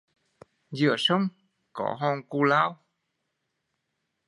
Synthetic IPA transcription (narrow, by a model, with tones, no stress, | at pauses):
zɨ̰˧˨əsə˧wŋ͡m | kɔ˧˦ɦɔ˧nku˧laː˧w